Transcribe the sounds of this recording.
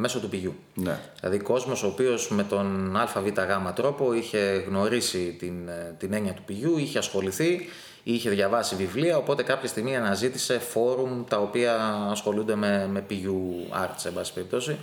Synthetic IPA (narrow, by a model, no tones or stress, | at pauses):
me̞so̞t̪upiʝu | nḛðilɐ̰ðiko̞zmo̞so̞ːpio̞zme̞t̪o̞nɐlfɐvit̪ɐɣɐmɐt̪ɾo̞po̞içe̞ɣno̞ɾisit̪int̪ine̞ɲiɐt̪upiʝuiçe̞ɐsxo̞liθi | içe̞ðʝɐvɐsivivliɐo̞po̞t̪e̞kɐpçɐst̪iɣmiɐnɐzit̪ise̞fo̞ɾumt̪ɐo̞piɐːsxo̞lund̪e̞me̞me̞piʝuɐ̰ɾt̪se̞bɐsi̥pe̞ɾip̚t̪osi